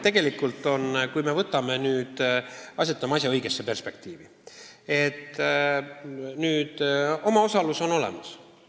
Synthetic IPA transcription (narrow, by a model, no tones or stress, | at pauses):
t̪e̞ɡe̞likːult̪ːˑo̞nkujme̞vɤt̪ːˑɑme̞nyːd̪̥ɑsʲet̪ːˑɑmɑs̬ʲjɑɤjɡe̞sːe̞pe̞rspe̞k̚t̪iːvi | e̞t̪ˑː | nyːd̪̥o̞mɑo̞sɑluso̞no̞le̞̰mɑs